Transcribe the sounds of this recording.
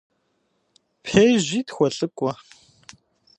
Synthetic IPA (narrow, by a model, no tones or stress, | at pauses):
pʰeːʑʷiːtxʷɔɬʼɨkʷʼɔ